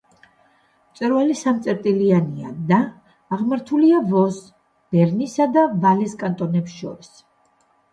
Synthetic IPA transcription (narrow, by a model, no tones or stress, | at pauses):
mt̪sʼwɛɾvalisamt̪sʼɛɾt̪ʼiliania̰d̪aː | ʁmaɾt̪ʰuliavɔs | b̥ɛɾnisad̪avalɛskʼant̪ʼɔnɛpsʃɔ̰ɾis